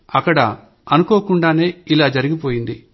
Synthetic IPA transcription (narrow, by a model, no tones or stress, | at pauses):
ɐkːɐɽɐ̰ | ɐnuko̞ːkuɳɖaːne̞ːilaːd͡ʒɐɾiɡipoːjind̪i